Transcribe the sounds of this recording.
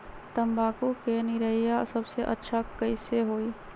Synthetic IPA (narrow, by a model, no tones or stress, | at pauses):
t̪əmbaːkukenɪɾəijasəbseʔə̰tːʃʰakəɪseɦoːiː